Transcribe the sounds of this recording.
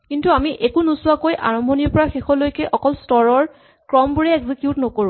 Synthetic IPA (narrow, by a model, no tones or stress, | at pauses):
kintuamiʔekunusʊwakojʔa̰ɹɔmbʱɔniɹpɔɹaxexɔlojkɛʔɔkɔlstɔɹɔɹ | kɹɔmbuɹɛeɡzikjutnɔkoɹũ